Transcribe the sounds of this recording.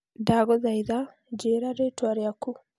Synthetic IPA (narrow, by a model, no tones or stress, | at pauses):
daɣɔðaiða | d͡ʒeɾaɾetwaɾjaku